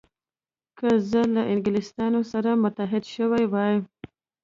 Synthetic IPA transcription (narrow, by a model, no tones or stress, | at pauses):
kʰəzəlaʔɪŋɡɪlɪst̪ɑnosaɾamʊt̪aɦɪd̪ʃəwajwɑjəm